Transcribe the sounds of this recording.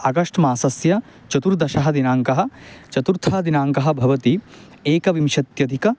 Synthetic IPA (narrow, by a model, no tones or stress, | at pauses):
ɐɡɐʂʈɐmaːsɐsjɐ | t͡ʃɐt̪uɾd̪ɐʃɐɦɐd̪inaːŋkɐɦɐ̆t͡ʃɐt̪uɾt̪ʰaɦɐd̪inaːŋkɐɦɐ̆bʱɐʋɐt̪i | eːkɐʋimʃɐt̪jɐd̪ʱikɐ